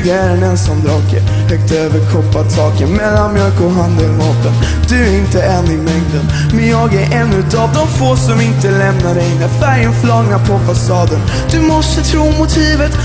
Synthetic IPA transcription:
d̪ɛæɾɛnɛnsɔmd̪ɾɑːkə̰ | hœk̚t̪øːvəɾkʰɔpːat̪ʰɑːkənmɛlːanmjœlkʊɦand̪əlmɑːt̪ən | d̪̥ɵæɾɪnt̪əɛnɪmɛŋd̪ən | mɛnjɑːɡæɾʔɛnːʉ̟t̪avd̪ɔmfoːsɔmɪnt̪əlɛmnaɖɛjnəfæɾjənflɑɡnapʰɔfasɑːd̪ən | d̪̥ɵmɔst̪ət̪ʰɾuːmʊt̪ʰiːvət̪

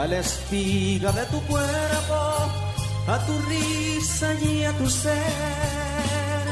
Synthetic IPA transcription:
alest̪iɣaðet̪ukweɾpo | at̪uri | saɲiat̪use | ɾ

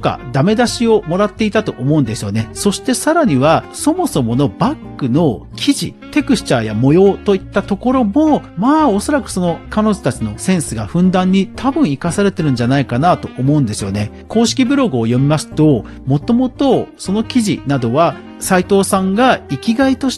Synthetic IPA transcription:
oka̰d̪ame̞d̪aɕio̞mo̞ɾat̪ːe̞it̪at̪o̞ʔomo̞ɯ̃nd̪e̞sɨjo̞neso̞ɕi̥t̪e̞saɾaɲ̟iβ̞aso̞mo̞so̞mo̞no̞bakːɯ̟no̞ | kʲʰiʑḭt̪e̞kɯ̟ɕt͡ɕaːja̰mo̞jo̞ːt̪o̞it̪ːat̪o̞ko̞ɾo̞mo̞maːo̞so̞ɾakɯ̟̥so̞no̞kano̞ʑo̥t̪at͡ɕino̞sẽ̞ɰ̃sɨɡaɸɯ̟̃nd̪ãɲ̟ːit̪ʰabɯ̟̃ɰ̃ikasaɾe̞t̪e̞ɾɯ̟̃ɲ̟d͡ʑanaikanat̪o̞ʔomo̞ɯ̟̃nd̪e̞sɨjo̞̰ne̞ | ko̞ːɕi̥kʲibɯ̟ɾo̞ɡɯ̟oːjo̞mʲimasɨ̥t̪o̞ | mo̞t̪o̞mo̞t̪o̞so̞no̞kʲiʑḭnad̪o̞βa | sait̪o̞ːsãŋɡaikʲiɡait̪o̞ɕ

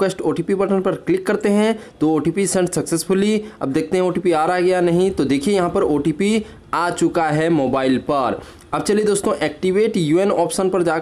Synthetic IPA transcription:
esʈoːʈiːpipɐʈənpɐɾklɪkːɐɾt̪eɦɛ̃t̪ooːʈiːpisɛ̃ɳɖsɐksesfʊliɐ̰b̚d̪eːk̚ʰt̪eɦɛ̃oːʈiːpiaːɾaɡɐjanɐɦĩt̪od̪eːkʰiejɐɦãpɐɾoːʈiːpi | aːt͡ʃʊkaɦɛmoːbaːɪlpɐɾ | ɐb̚t͡ʃɐlied̪oːst̪õʔɛːk̚ʈiʋeːʈjuːenɔːpʃənpɐɾd͡ʒaː

